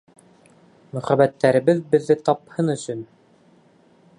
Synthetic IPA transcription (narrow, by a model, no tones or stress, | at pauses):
mɵ̆χæβæt̪ːæɾɘ̆βɘðbɘ̆ðːɘt̪ɒphɤnɵ̆sɵn